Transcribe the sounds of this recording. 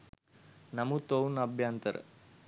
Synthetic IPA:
nɐmut̪ownɐbʱjaːnt̪ɐɾ̰

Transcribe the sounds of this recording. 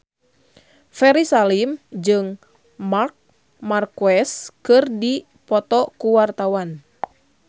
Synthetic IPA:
fɛɾisalimd͡ʒɨŋ | mark̚ | markuɛskɨrdi | pɔt̪ɔkuwart̪awan

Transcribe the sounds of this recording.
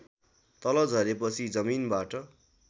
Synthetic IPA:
t̪ʌlʌd͡zʱʌɾepʌt͡sʰid͡zʌminbaʈʌ

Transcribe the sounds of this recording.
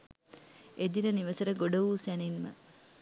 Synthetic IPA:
ed̪inəniʋəsəɾəɡoɖəʋuːsæninmə̰

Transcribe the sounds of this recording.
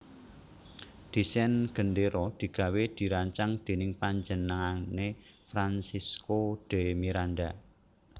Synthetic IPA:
d̪̥i̤sɛnɡ̥ə̤nd̪eɾɔd̪̥i̤ɡ̥ä̤wed̪̥i̤ɾaɲt͡ʃaŋd̪̥e̤nɪŋpaɲd͡ʒənəŋanefɾansiskoɖ̪̥e̤miɾand̪a

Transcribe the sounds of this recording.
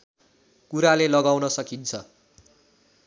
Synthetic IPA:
kuɾalelʌɡawnʌsʌkint͡sʰʌ

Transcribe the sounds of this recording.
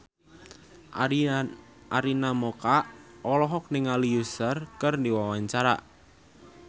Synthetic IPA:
ʔaɾinamɔkaʔɔlɔɦɔk̚nɪŋalijusərkərndiwawaɲt͡ʃaɾa̰ʔ

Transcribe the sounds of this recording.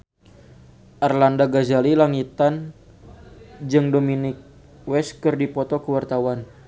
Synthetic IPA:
ʔarlandaɡazalilaŋit̪an | d͡ʒɨŋdominɪk̚ | wɛskɨrdipɔt̪ɔkəwart̪awan

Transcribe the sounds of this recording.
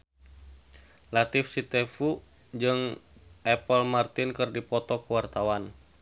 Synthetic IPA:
lat̪ifsit̪ɛfu | d͡ʒɨŋʔɛpəlmart̪inkɨrdipɔt̪ɔkuwart̪awan

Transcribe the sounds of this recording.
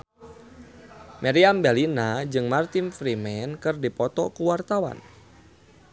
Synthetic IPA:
mʔaɾiambalinad͡ʒɨŋmart̪infɾimɛnkɨrdipɔt̪ɔkuwart̪awa̰n

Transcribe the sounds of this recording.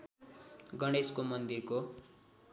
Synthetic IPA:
ɡʌɽ̃eskomʌnd̪irko

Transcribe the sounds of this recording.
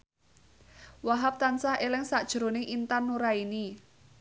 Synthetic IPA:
waɦap̚t̪ansahelɪŋsaʔd̥ʒ̥ɾo̤neʔint̪anːuɾaini

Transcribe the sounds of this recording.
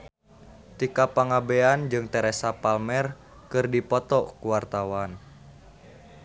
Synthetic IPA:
t̪ikapaŋabeand͡ʒɨŋt̪ɛɾɛsapalmɛr | kɨrdipɔt̪ɔkuwart̪awan

